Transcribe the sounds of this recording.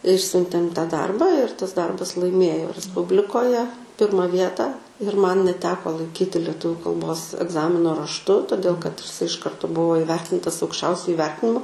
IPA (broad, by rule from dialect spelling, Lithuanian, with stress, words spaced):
ˈɪʃʲsʲʊnʲtʲeːm tɐ ˈdɐrbɐ ɪr tɐs ˈdɐrbɐs lˠɐɪˈmʲeːjoː rʲɛsˈpʊbʲlʲɪkoːjɛ ˈpʲɪrmɐ ˈʋʲiɛtɑː ɪr mɐn nʲɛˈtʲæːkoː lˠɐɪˈkʲiːtʲɪ lʲɛˈtʊʋʲuː kɐlˠˈboːs ɛɡˈzɑːmʲɪnoː rɐʃˈtʊ toːˈdʲeːlˠ kɐt ɪʃ ˈkɐrtoː ˈbʊʋoː ɪˈʋʲɛrʲtʲɪntɐs ɐʊkʃʲˈt͡ʃʲɛʊsʲʊ ɪˈʋʲɛrʲtʲɪnʲɪmʊ